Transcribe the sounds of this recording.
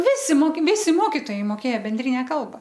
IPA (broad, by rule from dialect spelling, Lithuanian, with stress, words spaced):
ˈʋʲɪsʲɪ ˈmoːkʲɪ ˈʋʲɪsʲɪ ˈmoːkʲɪtoːjɛɪ moːˈkʲeːjɛ bʲɛnʲˈdʲrʲɪnʲɛ ˈkɐlˠbɐ